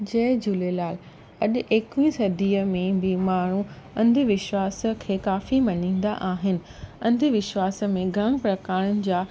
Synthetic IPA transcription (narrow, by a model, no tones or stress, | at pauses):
d͡ʑɐːɪd͡ʑulelaːl | ɐɗ̆ʔeːkʋĩsɐd̪ʱiːəmẽbimaːɳ̤ũ | ɐ̃nd̪ʱʋɪʃʋaːsə̆kʰeːkaːfimɐnĩːn̆d̪a̰ʔaːɦɪnɪ̆ | ɐ̃nd̪ʱɪʋɪʃʋaːs̆mẽɡʱɐɽ̃̆pɾɐkaːɽ̃ənɪ̆d͡ʑaː